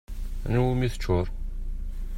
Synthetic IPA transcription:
nwmiθə̥t͡ʃːʊɾˤ

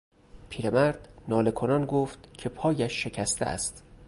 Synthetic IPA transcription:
pʰiːɾemæɾd̪̥nɒːle̞kʰonɒnɡoːft̪cʰe̞pʰɒːjæʃːe̞cʰæst̪ʰḛæ̰st̪

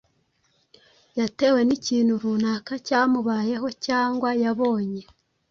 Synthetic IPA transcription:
jate̞we̞niciːnhuɾunakacaːmuβaːje̞ɦo̞caːŋɡwajaβo̞ːɲe̞

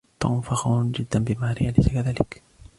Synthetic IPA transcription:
t̪a̰ʔʊnfaxawnd͡ʒɪd̪ːanbɪmaːɾɪʔalajsakaðaːlɪk

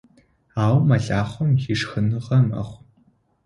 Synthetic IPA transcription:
aːwmɐɮaːχʷɔmxiʂxɨnɨʁɐmɐ̰χʷ

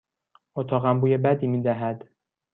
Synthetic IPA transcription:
ot̪ʰɒːɣæmbuːjebæd̪iːmiːd̪æɦæd̪

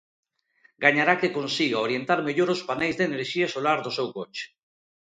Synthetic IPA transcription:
ɡaɲaɾakekonsiɣaoɾjent̪aɾmeʎoɾospanejzðeneɾʃiasolaɾðosewkot͡ʃe̥

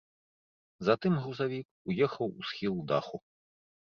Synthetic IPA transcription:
zɐt̪ɨmɣuzavʲik | ujɛxɐwusxʲilˠud̪a̰xu

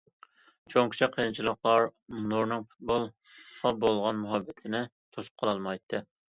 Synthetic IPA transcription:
t͡ʃʰoŋkʲi̥t͡ʃʰɛqʰəjɨnt͡ʃʰilˠəχlˠɑɾnuɾnɨŋfu̥t̪̚bolˠχɑbolˠʁɑnmuɦɑbːɪt̪ʰɪnɪ | t̪ʰosp̚qʰɑlˠɑlˠmɑjt̪ʰːɨ

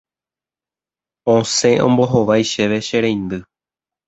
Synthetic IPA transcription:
õsẽ̞ʔõ̰mbo̞ɦo̞ʋajʃeʋe̞ʃe̞ɾẽj̃nd̪ɨ

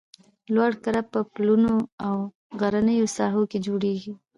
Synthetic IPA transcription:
lwaɽkaɾappːəplunoaw | ɣaɾanəjosɑɦoked͡ʒoɽeɡi

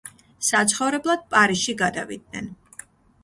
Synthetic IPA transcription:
sat̪sʰχɔvɾɛblˠad̪̥̚pʼaɾiʃiɡad̪avḭd̪̚nɛ̰n

